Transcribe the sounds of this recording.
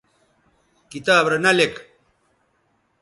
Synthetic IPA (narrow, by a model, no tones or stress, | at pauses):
kit̪aːbɾɐnɐlek